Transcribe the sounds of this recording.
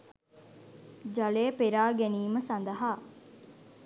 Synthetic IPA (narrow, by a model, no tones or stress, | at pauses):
d͡ʒɐleəpeɾaːɡeniːməsɐnd̪əɦaː